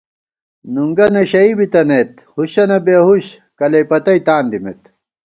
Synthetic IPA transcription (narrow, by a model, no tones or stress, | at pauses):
nuŋɡɐnɐɕɐibit̪ɐnet̪ | huɕɐnɐbeɦuɕ | kɐlɐpɐt̪ɐit̪aːnd̪imḛt̪